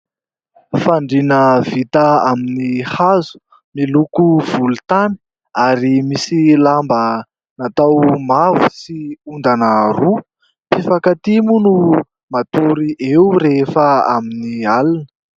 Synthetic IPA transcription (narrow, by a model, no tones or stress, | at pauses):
faɳɖ͡ʐinəvit̪əaminihazu̥ | milukuv̥ulut̪ani̥ | aɾimisilambə | nat̪awmavu̥siund̪anəɾu | pifakat̪imunu | mat̪uɾiʔewɾefəa̰minialunə̥